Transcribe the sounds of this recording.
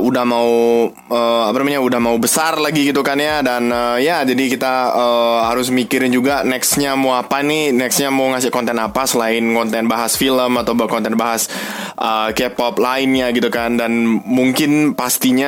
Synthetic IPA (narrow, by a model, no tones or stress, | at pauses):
udahmau | əːapanamaɲaudahmaubəsarlaɡiɡit̪ukanjadanəjad͡ʒadikit̪aəhaɾʊs̬mikiɾɪnd͡ʒuɡanɛksɲamoapaninɛksɲamawŋasɪhkɔnt̪ɛnapasəlaɪnkɔnt̪ɛnbaɦasfiləmat̪awbkɔnt̪ɛnbaɦas | ʔəkɛpɔplaɪnɲaɡit̪ukandanmuŋkɪnpast̪iɲa